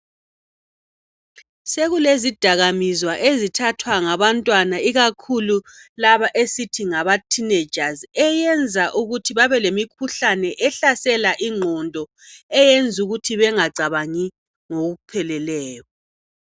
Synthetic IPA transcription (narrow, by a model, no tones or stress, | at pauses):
seɣulezid̥ʱaɣamizwaʔezitʰatʰwaŋaβantʼwanaiɣakʰululaβaʔesitʰiŋaβatʰined͡ʒazɛjɛnd͡zʱaʔuɣutʰiβaβɛlemikʰuɬanɛʔɛɬasɛlaʔiŋ͡ǃʱɔndʱɔ | ɛjend͡zʱuɣutʰiβɛŋaɡ͡ǀʱaβaŋi | ŋoɣuupʰɛlɛlɛːjɔ